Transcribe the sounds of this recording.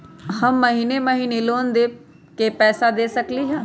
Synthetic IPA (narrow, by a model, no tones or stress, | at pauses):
həmːəɦiːneməɦiːneloːnd̪eː | kepɛːsad̪eːsəkliːɦɛ̃ː